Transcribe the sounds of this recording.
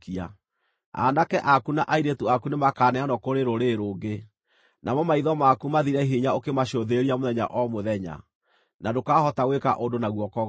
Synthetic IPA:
ia | a̰nakɛʔakunaʔaiɾetuakunemakaːnɛanɔkoɾeɾoɾeɾoːɡe | nʔamɔmaiðɔmakumaðiɾɛɦiɲaokemaɕoðeɾiamoðɛɲa̰ʔɔmoðɛɲa̰ | nadokahɔtaɣweka̰ʔondonaɣwɔkɔɣ

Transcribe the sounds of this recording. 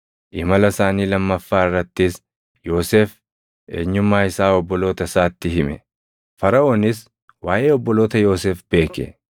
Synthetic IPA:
ʔɪmɐlɐsaːniːlɐmːɐfːaːɪrːɐt̪ːɪs | jo̞ːseːf | ʔḛːɲːʊmːaːɪsaːɔbːɔlo̞ːt̪ɐsaːt̪ːɪɦɪmɛ | fɐɾɐʔoːnɪs | waːʔe̞ːɔbːɔlo̞ːt̪ɐjo̞ːseːfb̥e̞ːkɛ̰

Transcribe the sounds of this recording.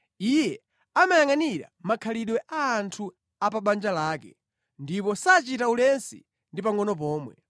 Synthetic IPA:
ijɛ | amajaŋaniɾa̰makʰaliɗwɛʔaːntʰu | apaɓand͡ʒalaːkɛ̰ | ndipɔsat͡ʃitaulɛnsḭ | ndip̬aŋɔnɔp̬ɔːmwɛ

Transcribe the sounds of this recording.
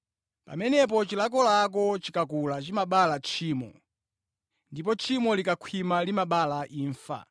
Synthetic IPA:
pa̰mɛnɛp̬ɔt͡ʃilak̬ɔlak̬ɔt͡ʃikakulat͡ʃimaɓalat͡ʃʰiːmɔ̰ | ndip̬ɔt͡ʃʰimɔlikakʰwimalimaɓalaʔiːɱfa̰

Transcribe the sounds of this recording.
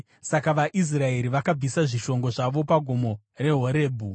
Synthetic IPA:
sakaʋaʔis̬rae̞ɾiʋakab͡visaʐiʃo̞ŋɡo̞ʐaʋo̞paɡʱomo̞ | re̞ɦo̞ɾe̞ːbʱu

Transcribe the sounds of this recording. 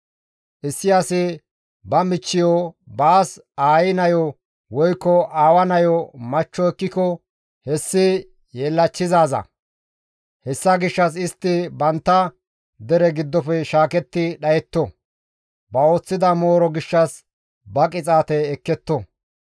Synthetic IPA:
ʔɪsːɪjasɪ | bɐmɪt͡ʃːɪjɔbaːs | aːjɪnɐjɔ | wɔjkːɔaːwɐnɐjɔmɐt͡ʃːɔɛkːɪkɔ | hɛsːɪ | jeːlːɐt͡ʃːɪzaːzɐ̰ | hɛsːɐɡɪʃːɐs̬ɪst̪ːɪbɐnt̪ːɐ | d̪ɛɾɛɡɪd̪ːɔpɛʃaːkɛt̪ːɪɗɐjɛt̪ːɔ | bɐo̞ːt͡sːɪd̪ɐmo̞ːɾɔɡɪʃːɐs | bɐkʼɪt͡sʼaːt̪ɛɛkːɛt̪ːɔ

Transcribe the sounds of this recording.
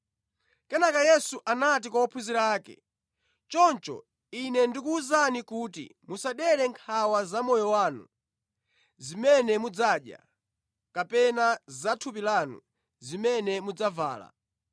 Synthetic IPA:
kɛnakajɛsuʔanat̬ikwawɔpʰuziɾaːkɛ̰ | t͡ʃɔnt͡ʃɔ̰ | inɛndikuːzanikuːtḭmusaɗɛɾɛŋkʰawazamɔjɔwaːnṵ | zimɛnɛmud͡zaɗja̰ | kapɛnazatʰup̬ilanṵ | zimɛnɛmud͡zava̰ːla̰

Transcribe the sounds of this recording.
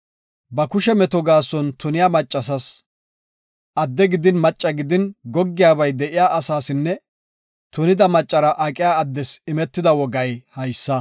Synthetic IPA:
bɐkʊʃɛmɛt̪ɔɡaːsɔnt̪ʊnɪjaːmɐt͡ʃʼːɐs̬ɐs | ʔɐd̪ːɛɡɪd̪ɪnmɐt͡ʃʼːɐɡɪd̪ɪnɡɔɡːɪjaːbɐjd̪ɛʔɪjaːʔɐsaːsɪnːɛ | t̪ʊnɪd̪ɐmɐt͡ʃʼːɐɾɐʔakʼɪjaːd̪ːɛsɪmɛt̪ːɪd̪ɐwɔɡɐjhɐjsːɐ

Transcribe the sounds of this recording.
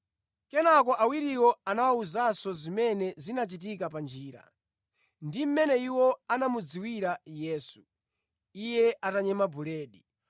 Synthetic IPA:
kɛnakɔʔawiɾiwɔanawauzasɔzimɛnɛzinat͡ʃit̬ikapand͡ʒiːɾa̰ | ndim̩mɛnɛiwɔanamud͡ziwiɾajɛːsu̥ | ijɛʔataɲɛmabuɾɛːɗi

